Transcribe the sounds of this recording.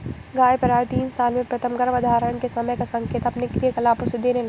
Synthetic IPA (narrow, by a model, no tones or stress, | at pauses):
ɡaːjpɐɾaːjt̪iːnsaːlmẽpɾɐt̪ʰəmɡɐɾʋɐd̪ʱaːɾəɽ̃kesɐməjkasɐ̃ŋkeːt̪ɐpnekɾijəkɐlaːpʊsɪd̪ʱenel